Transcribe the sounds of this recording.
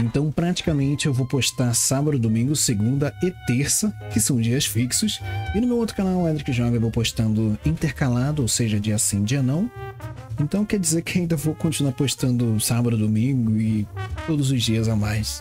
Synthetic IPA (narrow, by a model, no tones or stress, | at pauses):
ẽnt̪ɐ̃w̃pɾat͡ʃi̥kɐmẽnt͡ʃɪewvowpoʃt̪aɾsabɐd̪ʊd̪omĩŋɡʊseɡũnd̪ɐet̪eɾsɐkɪsɐ̃w̃d͡ʒiɐsfiksʊsɪnʊmewowt̪ɾʊkanawɛd̪ɾɪkɪʒɔɡɐewvowpoʃt̪ɐ̃nd̪ʊĩt̪eɾkalad̪ʊowseʒɐd͡ʒiasĩd͡ʒɪanɐ̃w̃ẽnt̪ɐ̃w̃kɛɾd͡ʒizeɾkɪaĩnd̪ɐvowkõnt͡ʃinuwaɾpoʃt̪ɐ̃nd̪ʊsabɐd̪ʊd̪omĩɡʊɪt̪od̪ʊzʊzd͡ʒiɐzamajs